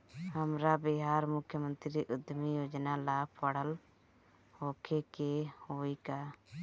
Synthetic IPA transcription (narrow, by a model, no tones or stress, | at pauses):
həmɾabɪɦaɾmʊkʰːjəmə̃nt̪ɾiʔud̪mijod͡ʒnalapəɽəl | hokʰekehoika